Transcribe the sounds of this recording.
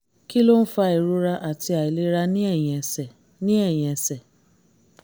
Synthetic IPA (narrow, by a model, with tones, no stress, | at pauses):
ki˦lo˦n̩˦fa˧i˨ɾu˨˦ɾa˧ʔa˨ti˧a˨i˨le˦ɾa˧nĩ˦ɛ˦˨ɛ˨ɛ˨ | nĩ˦ɛ˦˨j̃ɛ̃˨sɛ˨